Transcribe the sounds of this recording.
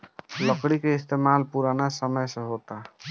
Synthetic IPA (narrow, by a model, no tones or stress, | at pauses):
ləkɽikeist̪emalpuɾanasəməjsə̃ɦot̪a